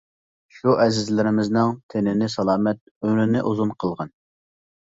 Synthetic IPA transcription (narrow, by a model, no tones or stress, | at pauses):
ʃuʔɛzɪzlɪɾɪmɪznɨŋt̪ʰenɪnɪsɑlˠɑːmɛt̪̚ømɾɪnɪʔuzunqʰəlˠʁɑn